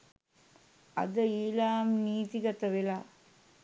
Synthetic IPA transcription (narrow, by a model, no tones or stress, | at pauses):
ɐ̰d̪əiːlaːmniːt̪iɡɐt̪ɐʋelaː